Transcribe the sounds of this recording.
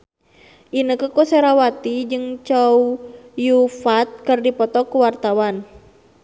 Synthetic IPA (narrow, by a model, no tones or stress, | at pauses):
ʔinəkəkusɛɾawat̪id͡ʒɨŋt͡ʃaujufat̪̚kərdipɔt̪ɔkuwart̪awan